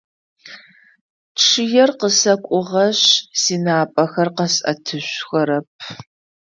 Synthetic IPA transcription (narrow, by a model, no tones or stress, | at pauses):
ʈ͡ʂʰɨjɛrqəsɐkʷʼʊʁɐɕsiːnaːpʼɐxɐrqɐsʼɐ̰tʰɨɕʷxɐɾɐp̚ʰ